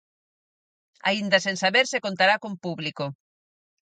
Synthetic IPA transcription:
a̰ind̪asensaβeɾsekont̪aɾakompuβliko

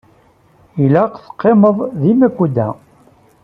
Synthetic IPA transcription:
læqθə̥qːeməðˤðimækʷːud̪æ̰

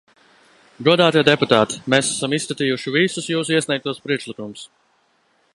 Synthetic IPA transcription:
ɡuɔd̪aːt̪iɛd̪ɛput̪aːt̪i̥mesasamisskat̪iːjuʃivisusjuːsuiɛsnʲɛjk̚t̪uɔspɾiɛkʃlˠikumʊs

